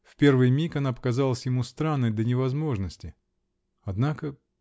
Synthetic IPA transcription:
fpʲe̞rvɨjmʲikɐnapə̥kɐzalˠəsʲjɪmust̪ɾanːəjd̪ənʲɪvɐzmo̞ʐnəsʲtʲɪ | ɐd̪nakə

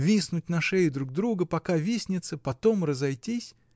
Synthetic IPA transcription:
vʲisnʊt̚ʲnɐʂɛjɪd̪ɾuɡ̚d̪ɾuɡəpɐkavʲisʲnʲɪt̪səpɐt̪o̞mrəzɐjtʲisʲ

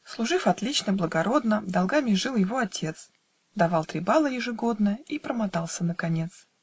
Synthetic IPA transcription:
slˠʊʐɨfɐt̪lʲit͡ɕnəblˠəɡɐɾo̞d̪nəd̪ɐlˠɡamʲɪʐɨlˠjɪvo̞ɐtʲʰe̞t̪s | d̪ɐvɑlˠt̪ɾʲɪbalˠəjɪʐɨɡo̞d̪nəjəipɾəmat̪ɑlˠsʲənəkɐnʲe̞t̪s

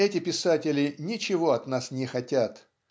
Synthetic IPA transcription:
ɛtʲɪpʲɪsatʲɪlʲɪnʲɪt͡ɕɪvo̞ɐt̪nasnʲɪxɐtʲat̪

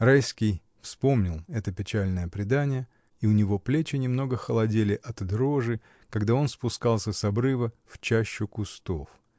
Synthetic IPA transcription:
rajskʲɪj | fspo̞mnʲɪlˠɛt̪əpʲɪt͡ɕælʲnəjəpɾʲɪd̪anʲɪjə | iʊnʲɪvo̞plʲet͡ɕɪnʲɪmn̪o̞ɡəxəlˠɐdʲelʲɪʔɐt̪d̪ɾo̞ʐɨ | kɐɡd̪ao̞nspʊskɑlˠsʲəsɐbɾɨvə | ft͡ɕæɕːʊkʊst̪o̞f

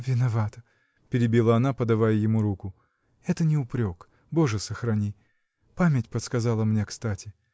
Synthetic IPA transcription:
vʲɪnɐvat̪ə | pʲɪɾʲɪbʲilˠəɐnapəd̪ɐvajəjɪmuɾukʊ | ɛt̪ənʲɪʊpɾʲok | bo̞ʐɨsəxɾɐnʲi | pamʲɪtʲpət̪skɐzalˠəmnʲe̞kst̪atʲɪ

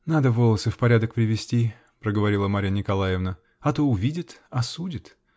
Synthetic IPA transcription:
nad̪əvolˠəsɨfpɐɾʲad̪ək̚pɾʲɪvʲɪsʲtʲi | pɾəɡəvɐɾʲilˠəmaɾʲənʲɪkɐlˠajɪvnə | ɐt̪oʊvʲidʲɪt̪ɐsudʲɪt̪

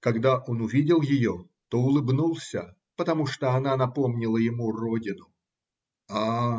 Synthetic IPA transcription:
kɐɡd̪aʔo̞nʊvʲidʲɪlˠjɪjo | t̪oʊlˠɨbnulˠsʲə̰ | pət̪ɐmuʂt̪oɐnanɐpo̞mnʲɪlˠəjɪmurodʲɪnʊ | a

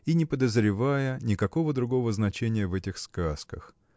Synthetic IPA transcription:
inʲɪpəd̪əzɾʲɪvajənʲɪkɐko̞vəd̪ɾʊɡo̞vəznɐt͡ɕenʲɪjəvɛtʲɪxskaskəx

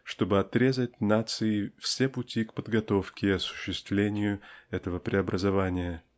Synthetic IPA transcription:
ʂt̪o̞bɨɐt̪ɾʲe̞zətʲnat̪sɨɪfsʲepʊtʲikpəd̪ɡɐt̪o̞fkʲɪɐsʊ̥ɕːɪst̪vlʲenʲɪjʊɛt̪əvəpɾʲʔɪɐbɾʔəzɐvanʲɪjə

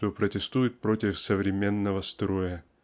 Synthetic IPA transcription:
t̪opɾətʲɪst̪ujɪt̪̚pɾo̞tʲɪfsəvɾʲɪmʲenːəvəst̪ɾojə

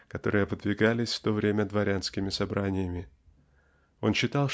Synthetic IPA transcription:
kɐt̪o̞̰ɾɨjəvɨd̪vʲɪɡalʲɪsʲft̪o̞vɾʲemʲəd̪vɐɾʲanskʲɪmʲɪsɐbɾanʲɪjəmʲɪ | o̞̰nɕːɪt̪ɑlˠ

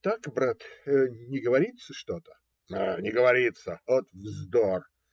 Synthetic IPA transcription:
t̪akbɾat̪ənʲɪɡəvɐɾʲit̪səʂt̪ot̪ə̥ | anʲɪɡəvɐɾʲit̪səot̪vzd̪or

